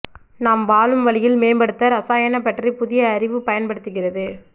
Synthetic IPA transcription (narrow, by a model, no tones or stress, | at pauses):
naːmʋaːlɯmʋɐɭɪjɪlmeːmbɐɽɯt̪ːɐɾɐsaːjɐnɐpːɐʈripʊðɪjɐːɾɪʋɯpɐjɐnpɐɽɯt̪ːɯɣɪrɐðɯ